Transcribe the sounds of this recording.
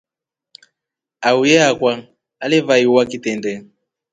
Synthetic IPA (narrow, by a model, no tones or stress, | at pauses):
aujɛakwaː | levaiwakitɛndɛ